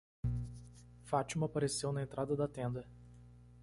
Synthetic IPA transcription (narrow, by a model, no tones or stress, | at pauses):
fat͡ʃimɐapaɾesewnɐẽnt̪ɾad̪ɐd̪ɐt̪ẽnd̪ɐ